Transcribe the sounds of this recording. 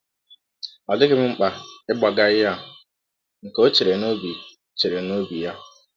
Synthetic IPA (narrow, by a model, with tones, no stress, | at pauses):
ɔ˨dɪ˦kɪ˦m̩˦ŋ͡m̩˦k͡pa˨ɪ˦ɡ͡ba˨ɡa˦ɪ˦ja˦˨ɦʊ˨ | ŋ̩˨ko˦t͡ʃe˨ɾe˨no˦bi˨ | t͡ʃe˨ɾe˨no˦bi˨ja˦˨